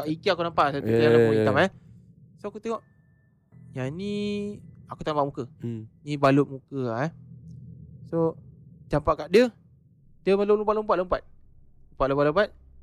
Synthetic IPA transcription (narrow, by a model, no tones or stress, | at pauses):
aʔikiakunampaʔsaut̪aalauit̪am | soakut̪eŋɔʔ | jani | akut̪ambaʔmukənibalʊʔ̚mukəa | sod͡ʒampaʔkaʔdə | diəmalolumpaʔ̚lompaʔ̚lompat̪̚ | ləmpaʔ̪lopaʔləmpat̪̚